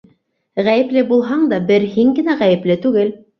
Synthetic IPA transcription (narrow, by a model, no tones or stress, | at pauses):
ʁæjɘ̆plɘbulˠɦɑɴd̪ɑbɘɾɦiŋɡɘ̆næʁæjɘ̆plɘt̪ʉɡɘl